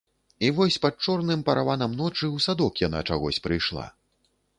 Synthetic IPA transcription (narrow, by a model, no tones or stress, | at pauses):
ivɔsʲpat̪̚t͡ʂɔrnɨmpɐɾʔavanɐmnɔt͡ʂɨwsad̪ɔkjan̪a̰t͡ʂaɣɔsʲpɾɨjʂlˠa̰